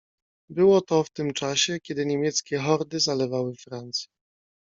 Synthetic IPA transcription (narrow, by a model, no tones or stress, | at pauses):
bɘwɔt̪ɔft̪ɘmt͡ʂaɕɛkʲɛd̪ɘɲemʲjɛt̪skʲɛxɔɾd̪ɘzalɛvawɘfɾant̪sʲjɛ